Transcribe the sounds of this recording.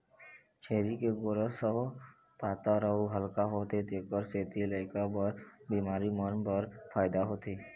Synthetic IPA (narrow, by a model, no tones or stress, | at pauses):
t͡ʃʰeːɾikeɡoɾəsəɦ | paːt̪aɾauɦəlkaɦoːt̪et̪eːkəɾseːt̪ilaːɪkabəɾbiːmaːɾimənpəɾfʰaːɪd̪aɦoːt̪iː